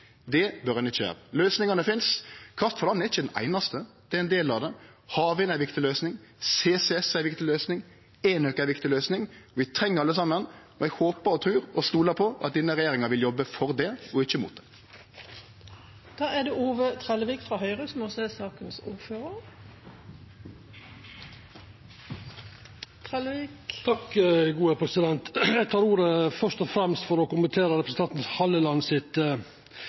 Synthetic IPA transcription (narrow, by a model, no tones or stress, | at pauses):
d̪ɛbœɾɛnɪçːəʋæ̰ːɾəløːsnɪŋɑnəfɪnskʰʁɑft̪fɔlɑnːɛɾɪçːəd̪ɛnʔæ̰ɪnɑst̪əd̪̥ɛɛɪnd̪eːlɑʋd̪ɛ | hɑːʋɪnæɪʋɪkt̪ɪløːsnɪŋseːsɛɛsæɪʋɪkt̪ɪløːsnɪŋ | æːnøːkæʋɪkt̪ɪløːsnɪŋɔʋɪt̪ʰɾɛŋːəɾɑlːəsɑmːən | ɔɛɡhoːpəɾɔt̪ʰɾʉːɾɔst̪uːləpʰɔʔɑ̰t̪̚d̪iːnəɾɛjeːɾɪŋɑɾʋɪljɔbːəfɔʁd̪ɛɔɪçːəmṵt̪d̪ɛ̥ | d̪̥ɑːæd̪eʔuːʋət̪ʰʁɛləʋiːkfʁɑːhœʏʁəsmɔseːsɑːkənsuːʁføːʁəʁ | t̪ʰʁɛlʋiːkt̪ʰɑkɡuːæpʰɾɛsɪd̪ɛnt̪jæɡt̪ʰɑːɾuːɾəfœʂt̪ɔfɾɛmst̪fɔɾɔkʊmənt̪ʰeːɾəɾɛpɾəsn̩t̪ɑnt̪n̩shɑləlɑnːsɪt̪